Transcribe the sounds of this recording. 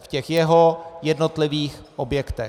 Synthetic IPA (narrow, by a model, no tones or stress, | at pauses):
fcɛxjɛɦojɛdno̞t̪lɪviːxʔobjɛkt̪ɛ